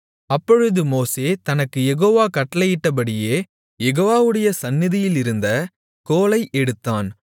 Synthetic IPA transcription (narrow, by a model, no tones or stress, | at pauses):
ɐpːɔɻɯðɯmoːseːt̪ɐnɐkːɯjɛɣoːʋaːkɐʈːɐlɐjɪʈːɐp̬ɐɽɪjeː | jɛɣoːʋaːʋɯɽɐjɐsɐnːɪðɪjɪlɪɾɯnd̪ɐ | koːlɐɪʔɛɽɯt̪ːaːn